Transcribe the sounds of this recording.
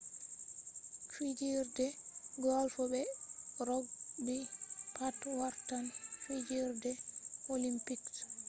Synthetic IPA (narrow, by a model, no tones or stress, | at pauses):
fid͡ʒiɾdɛɡɔlfɔbɛɾɔɡbipʰatwaɾtanfid͡ʒiɾdɛolimpiks